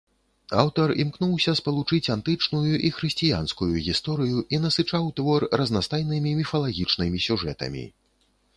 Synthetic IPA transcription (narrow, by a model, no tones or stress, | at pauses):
a̰wt̪ɐrimkn̪uwsʲɐspɐlˠut͡ʂɨt͡sʲant̪ɨt͡ʂnujuʔixɾɨsʲt͡sʲija̰nskujuɣʲist̪ɔɾɨjuʔinɐsɨt͡ʂawt̪vɔrːɐznast̪ajnɨmʲimʲifɐlˠaɣʲit͡ʂnɨmʲisʲuʐɛt̪ɐ̰mʲḭ